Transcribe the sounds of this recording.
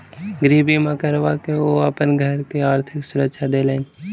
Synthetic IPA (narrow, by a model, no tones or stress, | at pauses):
ɡəɾiːbimãkəɾʋakeoəpənɡʱəɾkeaːɾt̪ʰɪksʊɾəkʃʰad̪eːlẽː